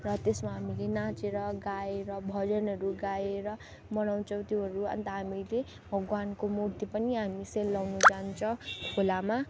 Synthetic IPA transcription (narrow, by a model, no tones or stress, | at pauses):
rʌt̪esmaɦamilenãt͡seɾʌɡaeɾʌbʱʌd͡zʌnɦʌɾuɡaeɾʌ | mʌnaw̃t͡sʰʌw̃t̪joɦʌɾuʌ̰nt̪ʌɦamile | bʱʌɡwankomurt̪ipʌniɦamiselːawnud͡zant͡sʰʌ̃w̃kʰolama